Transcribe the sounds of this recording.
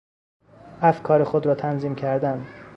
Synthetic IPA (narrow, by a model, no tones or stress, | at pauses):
æfkʰɒːɾexod̪ɾɒːt̪ʰænziːmcʰæɾd̪ænd̪